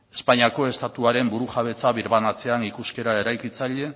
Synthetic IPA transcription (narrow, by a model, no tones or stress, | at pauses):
e̞spaɲiako̞e̞st̪at̪uaɾe̞mbuɾuʝaβ̞e̞t͡saβiɾβanat͡se̞anikuske̞ɾae̞ɾajkit͡saʎe̞